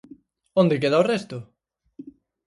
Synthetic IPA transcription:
õnd̪ɪkeðaorɛst̪ʊ

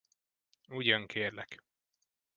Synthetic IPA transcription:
uɟɒŋkʰeːrlɛk

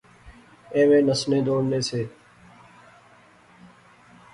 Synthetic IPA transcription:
ẽːʋẽːnəsnẽːd̪oːɽneːseː

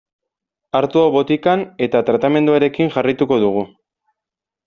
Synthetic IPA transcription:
aɾt̪uoβo̞t̪ikane̞t̪at̪ɾat̪ame̞nd̪uaɾe̞kiŋʝarit̪uko̞ðuɣ̞u

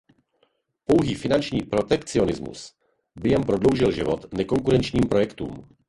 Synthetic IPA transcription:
po̞wɦiːfɪnant͡ʃɲiːpɾo̞t̪ɛkt͡sɪo̞nɪzmṵs | bɪjɛmpɾo̞dlo̞wʒɪlʒɪvot̪nɛko̞ŋkuɾɛnt͡ʃɲiːmpɾo̞jɛkt̪ṵːm

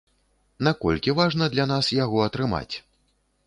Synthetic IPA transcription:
nakɔ̰lʲkʲivaʐnɐd̪lʲan̪asjaɣɔɐt̪ɾɨma̰t͡sʲ

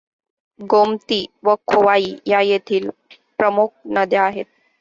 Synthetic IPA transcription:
ɡomt̪iʋəkʰoʋaiːjajet̪ʰiːl | pɾəmuk̚ʰnəd̪eaɦet̪̚

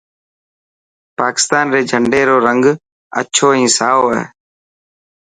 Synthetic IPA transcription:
paːkɪ̥st̪aːnɾeːd͡ʒʱəɳɖeːɾoːɾəŋɡ | ə̰t͡ʃʰoːĩːsaːo̰ː

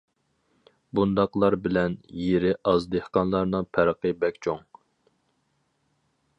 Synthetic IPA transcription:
bund̪ɑqlˠɑɾbɪlɛnjeɾɪʔɑzd̪ehqɑnlˠɑɾnɨŋpʰæɾqəbɛkʲt͡ʃʰoŋ

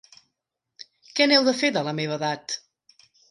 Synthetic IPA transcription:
kɛnɛwðəfeðələmeβ̞əðat̪

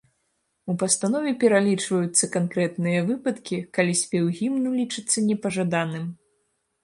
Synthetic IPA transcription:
upɐst̪anɔvʲɛpʲɛɾalʲit͡ʂvɐjut̪sːɐkankɾɛt̪nɨjɐvɨpɐt̪kʲikalʲisʲpʲɛwɣʲimnulʲit͡ʂɨt̪sːɐnʲɛpɐʐad̪anɨm

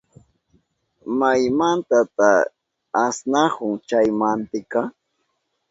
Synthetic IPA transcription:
majmant̪at̪aː | snahʊŋt͡ʃajmant̪ɪka

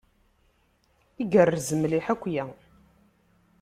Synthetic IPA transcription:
iɡərːzəmliħækʷːjæ

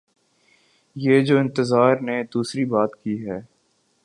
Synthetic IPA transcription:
jeːd͡ʒoːɪ̃nt̪əzaːɾned̪uːsɾibaːt̪kiːɦɛː

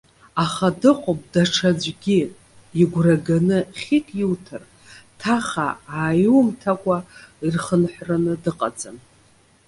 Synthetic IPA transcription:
aχadɨqʷʼop̚ʼdaʈ͡ʂʰad͡ʒʷɡʲi | iɡʷraɡanɨχʲikʼjɪwtʰɨr | tʰaχa̰aːjuwmtʰakʷʼairχənħʷranɨdɨqʼa̰d͡zʼan

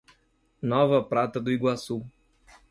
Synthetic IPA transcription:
nɔvɐpɾat̪ɐd̪ʊiɡwasu

